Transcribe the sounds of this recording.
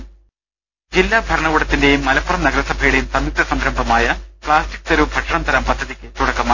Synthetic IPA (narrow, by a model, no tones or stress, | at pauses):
d͡ʑilːaːbʱɐɾɐɳɐɣuɽɐt̪ːinde̞jmːɐlɐpːɐrɐmnɐɡɐɾɐsːɐbʱeːɽɐjumsɐmik̚t̪ɐsɐmɾɐmbʱɐmaːjɐpɭaːsti̥k̚ːt̪ɐɾubʱɐʈʂɐɳɐmt̪ʰɐɾɐmpɐd̪ʱːɐðikʲːɨt̪uɽɐkːɐmaː